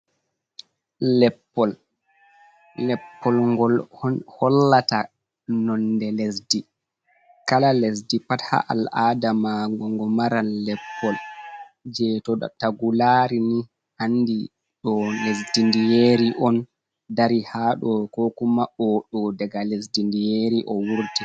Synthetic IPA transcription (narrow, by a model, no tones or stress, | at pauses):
lɛpːɔl | lɛpːɔlɡɔlhɔlːata | nɔndɛlesdi | kalalɛsdipatha̰ʔa̰lʔadamaŋɡɔŋɡɔmaɾanːɛpːɔl | d͡ʒɛtɔ̰taɡulaɾini | ʔanːdi | ɗɔlesdindijeːɾiʔɔn | daɾihaɗɔkɔkumaʔɔɗɔdɛɡalesdindijeːɾiʔɔwuɾti